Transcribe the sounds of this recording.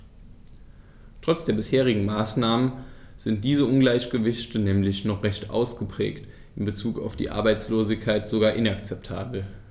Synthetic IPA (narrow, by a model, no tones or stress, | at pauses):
tʁ̥ɔt͡sd̥eːɐbɪsheːʁ̞ɪɡŋ̩maːsnaːmən | z̥ɪnt̚d̥iːzəʊnɡlaɪçɡ̥əvɪçtənɛːmlɪçnɔχʁ̥ɛçtʔa̰ʊsɡ̥əpʁ̥ɛ̰ːkt | ʔɪnbət͡suːka̰ʊfd̥ḭːʔa̰ɐbaɪt͡sloːzɪçkʰːaɪtz̥oɡaːɐʔɪnakt͡sɛp̚tʰa̰ːbl̩